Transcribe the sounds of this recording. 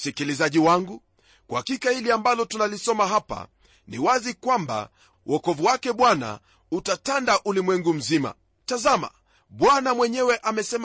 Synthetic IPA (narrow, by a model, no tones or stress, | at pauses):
sikilizaʄiwaŋɡu | kwahakikahiliambalɔtunalisɔmaɦapa̰ | niwazikwamba̰ | wʔɔkɔvuwakɛɓwana̰ | utatandaʔulimwɛŋɡum̩zima̰ | tazama̰ | ɓwanamwɛɲɛwɛʔamɛsɛm